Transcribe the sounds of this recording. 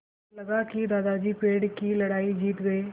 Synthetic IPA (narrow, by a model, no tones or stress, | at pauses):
ləɡaːkid̪aːd̪ad͡ʒiːpeːɽkiləɽaːid͡ʒiːt̪ɡəeː